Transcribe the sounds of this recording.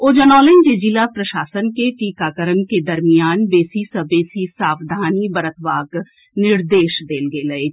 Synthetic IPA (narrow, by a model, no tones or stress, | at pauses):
oːd͡ʒənɔːlẽnd͡ʒed͡ʒilapɾɐʃaːsənkeʈiːkaːkəɾənked̪ɐɾmijaːnbeːsisəbeːsisaːʋd̪ʱaːnibəɾət̪ʰʋaːk | nɪɾd̪eːʃd̪eːlɡeːlɐe